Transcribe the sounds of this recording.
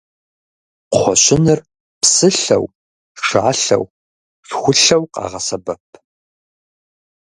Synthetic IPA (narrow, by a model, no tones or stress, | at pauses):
χʷɔɕɪnɨr | psɨɬɐ̰w | ʂa̰ːɬɐ̰w | ɬxʷʊɬɐwqɑ̰ːʁɐsɐbɐpʰ